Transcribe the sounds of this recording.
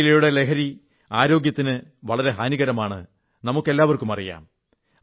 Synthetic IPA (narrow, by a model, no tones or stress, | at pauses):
ilejuɽele̞kʰɐɾi | aːɾo̞ːɡjɐt̪ːinɨʋɐɭɐɾe̞ɦaːniɣɐɾɐmaːɳɨ̰ | nɐmukːe̞lːaːʋɐrkumɐrija̰ːm